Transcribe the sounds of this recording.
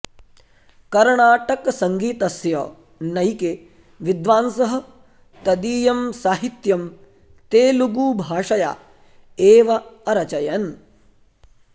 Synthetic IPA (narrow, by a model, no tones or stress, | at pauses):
kɐɾɳaːʈɐkɐsɐŋɡiːt̪ɐsjɐː | nɐjke | ʋid̪ʋaːnsɐɦɐ̆ | t̪ɐd̪iːjɐmsaːɦit̪jɐm | t̪eːluɡuːbʱaːʂɐja̰ː | eːʋɐɐɾɐt͡ʃɐjɐn